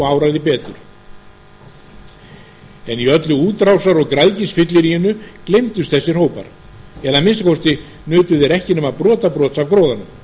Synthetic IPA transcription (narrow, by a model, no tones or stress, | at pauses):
ɣaːwɾaðɪpɛːt̪ʏ̰ɾ̥ | ɛniœt̪lʏuːt̪ɾawsaɾɔɣkɾaðcɪsfɪt̪lɪɾiʏnːʏklejmt̪ʏst̪θɛsːɪr̥hoːwpa̰ɾ̥ | ɛðamɪnskʰɔwst̪ɪ | nʏːt̪ʏðɛɾɛhcɪnʏmaðpɾɔːt̪apɾɔːt̪savkɾoːwðanʏm